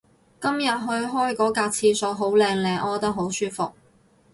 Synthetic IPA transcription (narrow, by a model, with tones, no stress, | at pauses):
kɐ˥mjɐ˨t̚ɦɵ˧ɥɦɔː˥jkɔː˨˥kaː˧t͡sʰiː˧so˨˧wɦo˨˥wlɛː˧ŋlɛː˧˩ʔɔː˨˧t̪ɐ˥k̚ɦo˨˥wsyː˥fʊ˨k̚